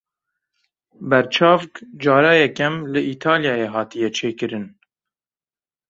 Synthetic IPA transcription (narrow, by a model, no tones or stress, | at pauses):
bɛɾt͡ʃʰɑːvkd͡ʒɑːɾɑːjɛkɛmlɨʔiːt̪ʰɑːljɑːjeːɦɑːt̪ijɛt͡ʃʰeːkɨɾɨn